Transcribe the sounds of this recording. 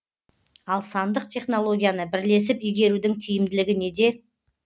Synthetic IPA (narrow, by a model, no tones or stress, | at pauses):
ɑlˠsɑnd̪əq̚t̪ʰʲe̞χno̞lˠo̞ɡʲijanəbɪɾle̞s̬ɪpʏjɡʲe̞ɾud̪ɪŋt̪ʰʏjɪmd̪ɪlɪɡʲɪne̞d̪e̞